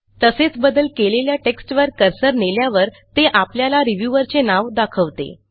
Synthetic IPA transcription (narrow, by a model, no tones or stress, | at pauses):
t̪əset͡sbəd̪əlkeleljaʈeksʈʋəɾkəɾsəɾneljaʋəɾ | t̪eʔapljalaɾiʋjuʋəɾt͡senaʋd̪akʰəʋt̪ḛ